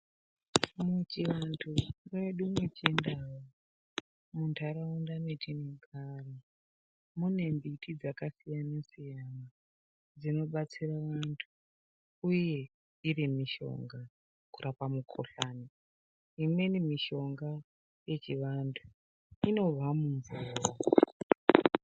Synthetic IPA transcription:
mut͡ʃiʋantʰuneɗumwet͡ʃendawo | muntʰaɾaundametʰiniɡʱaro | mune̞mbitʰid͡zakasijanesijana | d͡zino̞ɓat͡siraʋantʰu̥ | uje̞ | irimiʃo̞̰ŋɡa | kurʔapamukʰo̰ɬaːni | imwe̞nimiʃo̞ŋɡa | je̞t͡ʃiʋantʰu̥ | ino̞vamuɱvura

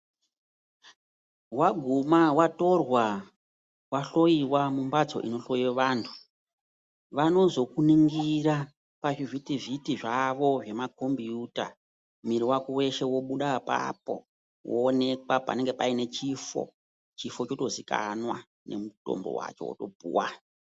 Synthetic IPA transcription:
waɡʱumawato̞rwa | waɬo̞jiwamumbad͡zo̞̰ʔino̞ɬo̞iweʋaːntʰu̥ | ʋano̞zo̞kuniŋɡiɾa | paʐivitivitiʐaʋo̞ʐe̞makʰo̞mbijuta̰ | miɾiwakowe̞ʃe̞wo̞ɓuɗapa̰po̞̰ | wʔo̰ːne̞kwapa̰ne̞ŋɡe̞paine̞t͡ʃifo̞̰ | t͡ʃifo̞t͡ʃo̞to̞zika̰nwa | ne̞̰muto̰mbo̞̰wa̰t͡ʃo̞̰wo̰to̞̰bʱṵːwa̰

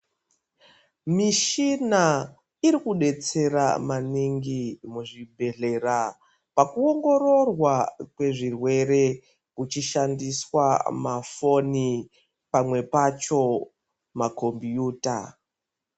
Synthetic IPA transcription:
miʃina | iɾikuɗe̞t͡se̞ɾa̰maniŋɡimuʐibʱe̞ɮe̞ra | pakuo̞ŋɡo̞ɾo̞rwakwe̞ʐirwe̞ɾe̞ | kut͡ʃiʃandiswamafo̞ni | pamwe̞pat͡ʃo̞ | mako̞mbjuːta̰

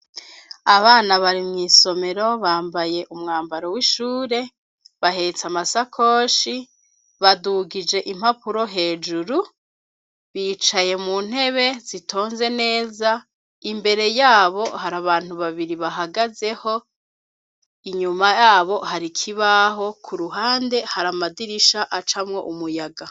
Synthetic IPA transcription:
aβaːnaβaɾimŋiːso̞me̞ɾo̞βaːmbaje̞ʔumŋaːmbaɾo̞wiʃuːɾe̞ | βaɦe̞t͡samasakʰo̞ːʃi | βaduɡid͡ʒe̞ʔim̥hapuɾo̞ɦe̞ːd͡ʒuɾu | βiːt͡ʃaje̞muːn̥he̞βe̞zitʰo̞ːnze̞ne̞ːza | imbe̞ɾe̞jaːβo̞haɾaβaːn̥huβaβiɾiβaɦaɡaze̞ho̞ | iɲumajaːβo̞haɾikʰiβaɦo̞kʰuɾuɦaːnde̞haɾamadiɾiʃaʔat͡ʃamŋo̞̰ʔumujaɡa

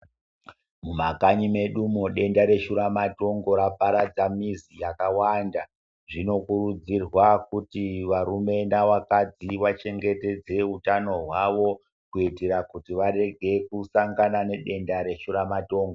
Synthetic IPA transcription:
mumakaɲime̞ɗumoɗe̞ndaɾe̞ʃuɾamato̞ŋɡo̞ɾapaɾad͡zamizijakawanda | ʐino̞kuɾud͡zirwakutiʋaɾume̞naʋakad͡ziʋat͡ʃe̞ŋɡe̞te̞d͡ze̞ɦutano̞ɦwaʋo̞ | kuiteɾakutiʋare̞ɡʱe̞kusaŋɡanane̞ɗe̞ndaɾe̞ʃuɾamato̞ːŋɡo

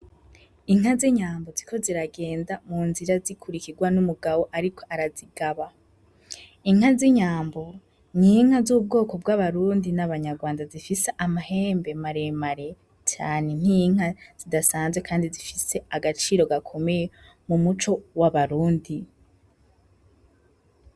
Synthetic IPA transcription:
iŋ̥haziɲaːmbozikʰo̞ziɾaɡe̞ːndamuːnziɾazikʰuɾikiɡwanumuɡaβo̞ʔaɾikʰo̞̥ʔaɾaziɡaβa | iŋ̥aziɲaːmbo̞ | n̥iŋ̥hazub̚ɡo̞ːko̞b̚ɡaβaɾuːndinaβaɲaɾɡwaːndazifise̞ʔamahe̞ːmbe̞maɾe̞maɾe̞ | t͡ʃaːne̞n̥iŋ̥az̥idasaːnzwekʰaːndizifise̞aɡat͡ʃiːɾo̞ɡakʰo̞me̞je | mumut͡ʃo̞waβaɾuːndi

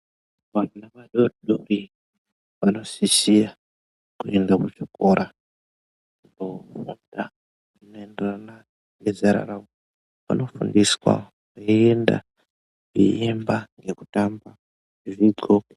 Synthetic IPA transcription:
ʋanaʋaɗoɗori | ʋano̞sisija | kue̞ndakuʐ̥ikoɾʔa | ndofunda | ano̞e̞nderana | ŋezaɾa̰ɾao | pa̰no̞fundiswa̰ | aienda̰ | ʐḭjembaŋɡe̞kutamba | ʐiɡo

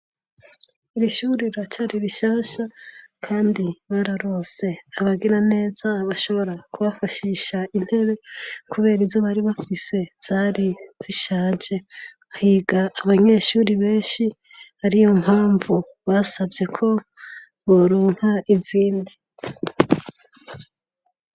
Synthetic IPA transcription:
iɾiʃuɾiɾat͡ʃaɾiβiʃaːʃakʰaːndiβaɾaɾoze̞aβaɡiɾane̞ːzaβaʃo̞βo̞ɾakuβafaʃiʃain̥he̞ɾe̞kʰuβe̞ːɾizzo̞βaɾiβafise̞z̥aːɾiz̥iʃaːd͡ʒe̞ | ahiːɡaːβaɲe̞ːʃuːɾiβe̞ːʃi | haɾijo̞m̥haːɱvu | βasavje̞kʰo̞ | βoɾuːŋ̥haʔiziːndi

